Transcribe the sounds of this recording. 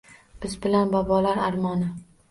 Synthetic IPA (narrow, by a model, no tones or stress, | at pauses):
b̥ɪzbɪlanbɒbɒlaɾaɾmɒnɪ